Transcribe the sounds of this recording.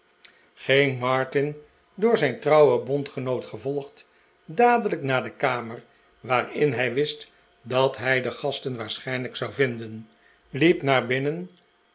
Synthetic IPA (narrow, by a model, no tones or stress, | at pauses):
χeŋmɑɹtɪn | dʊːɹzɛjntrɑwəbɔntχənowtχəvɔlˠχt | daːdələknaːdəkaːmər | ʋaːrɪnɦɛjʋɪst | dɑtɦɛjdəχɑstənʋaːɹsχɛjnləksɑwvɪndən | lipnaːɹbɪnən